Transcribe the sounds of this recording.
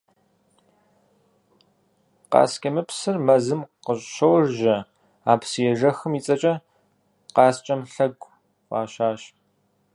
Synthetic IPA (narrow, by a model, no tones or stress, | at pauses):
qɑ̰ːskʲʰɐmɨpsɨrmɐzɨmqəɕʼʃɐwrʒɐ | aːpsjɛʒɐxɨmiːt͡sʼɐt͡ʃʼɐ | qɑːst͡ʃʼɐmɬɐɡʷʼ | qʷʼɑ̰ːɕaːɕ